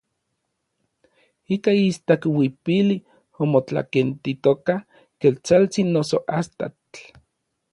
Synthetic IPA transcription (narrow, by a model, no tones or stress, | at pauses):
ikaist̪akwipili | omot͡ɬa̰kent̪it̪oka | kelt͡salt͡sinːosoʔast̪a̰t